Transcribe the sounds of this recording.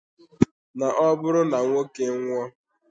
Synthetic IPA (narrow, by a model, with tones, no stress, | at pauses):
na˨ʔɔ˦bʊ˦ɾʊ˦na˨ŋʷo˦ke˦ŋʷɔ˦